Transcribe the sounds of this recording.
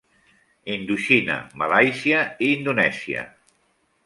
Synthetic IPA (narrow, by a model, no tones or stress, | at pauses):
ind̪uʃina̰malajsiəiːnd̪unɛsiə̰